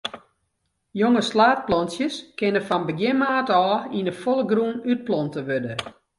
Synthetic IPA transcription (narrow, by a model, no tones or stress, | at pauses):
joŋəslaːt̚plɔnsjəskɪnəfɔnbəɡjɪmaːtɔːinəfoləɡrunyt̚plɔntəʋødə